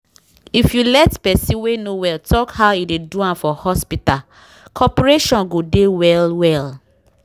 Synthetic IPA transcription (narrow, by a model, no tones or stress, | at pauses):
ifjulɛtpɛsĩwenowɛltɔkhaʊideduãmfɔhɔspital | kʰɔpɹeʃɔ̃nɡodewɛlwɛl